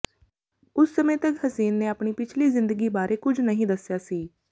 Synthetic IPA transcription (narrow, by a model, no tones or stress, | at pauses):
ʊsːəmẽːt̪əkhəziːnːeːaːpɳiːpɪt͡ʃʰliːzɪnd̪əɡiːbaːɾʔeːkʊd͡ʒnəɦĩːd̪əsːjaːsiː